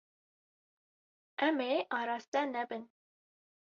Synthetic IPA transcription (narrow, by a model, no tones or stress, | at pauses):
ɛmeʔɑːɾɑːst̪ɛnɛbɨn